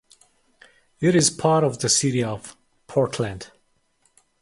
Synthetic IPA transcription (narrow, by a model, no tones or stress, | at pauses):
ɪɾɪz̥pʰɑɹɾɔvðəsɪɾiɔv̥ | pʰɔɹtʰlæ̃nd̥